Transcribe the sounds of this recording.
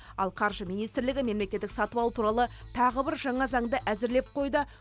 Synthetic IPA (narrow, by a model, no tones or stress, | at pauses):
ɑ̰lˠqʰɑɾʒəmijnijst̪ɾlɪɡʲɪme̞mle̞kʲe̞t̪ːɪksɑt̪uwɑlˠt̪ʰuɾɑlˠət̪ʰɑʁəbɪɾʒɑɴɑzɑɴd̪əʔæzɪɾle̞p̚qʰo̞jd̪ə